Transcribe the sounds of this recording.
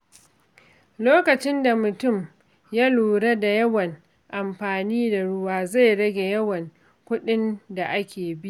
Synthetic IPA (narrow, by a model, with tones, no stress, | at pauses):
loː˦kɐ˨t͡ʃɪ˦nda˨mʊ˨tʊ˦˨m | ja˦luː˨ɽa˦da˨jɐ˦wɐ˨ŋ | ʔa˨mɸaː˨niː˦da˨ɽʊ˦waː˦za˦˨jɽɐ˦ɡʲe˨jɐ˦wɐ˨ŋ | kʷʊ˦ɗɪ˦nda˨ʔa˦kʲʰeː˨bi˦ʔʔ